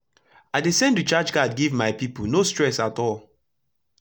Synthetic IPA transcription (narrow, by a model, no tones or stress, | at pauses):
aɪdesɛ̃ntut͡ʃad͡ʒɡadɡivmaɪpiponostɹ̥ɛsatɔlˠ